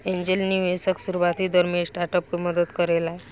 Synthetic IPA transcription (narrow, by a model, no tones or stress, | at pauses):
ẽɲd͡ʑelniʋesəksuɾuʋat̪iːd̪əɾmesʈaɾʈəp̚kiməd̪ət̪kəɾelaɦe